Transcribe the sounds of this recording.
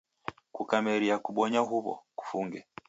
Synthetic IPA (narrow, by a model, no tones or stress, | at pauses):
kukamɛɾiakuɓɔɲaɦuβɔ̰ku̥fuŋɡɛ